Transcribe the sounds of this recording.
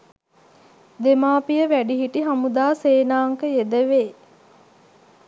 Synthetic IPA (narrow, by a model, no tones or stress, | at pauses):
d̪emaːpijəʋæɖiɦiʈiɦamud̪aːseːnaːŋkəjed̪əʋeː